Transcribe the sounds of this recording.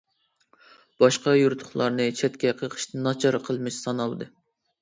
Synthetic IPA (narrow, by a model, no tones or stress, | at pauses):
b̥ɑʃqɑjuɾt̪ʰʊ̥χlˠɑɾnɨt͡ʃʰɛt̪kʲɛqʰəqʰə̥ʃnɨnɑt͡ʃʰɑɾɑqʰəlˠmɨʃsɑnɑlˠd̪ɨ